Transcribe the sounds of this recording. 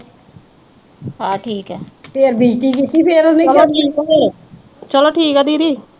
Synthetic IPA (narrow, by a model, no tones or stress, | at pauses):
ɦaːʈʰiːkɛːpʰeːɾbid͡ʒʈiːkit̪ːiːpʰeːɾnəĩloʈiːklo | t͡ʃəloːʈʰiːkɦɛːd̪iːɾiː